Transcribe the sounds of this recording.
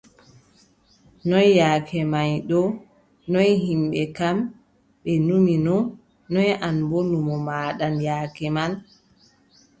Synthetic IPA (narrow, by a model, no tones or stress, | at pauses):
nɔjːaːkʰɛmajɗɔ | nɔjɦimɓɛkam | ɓɛnuminɔ | nɔjanbonumɔmaːɗanjaːkɛman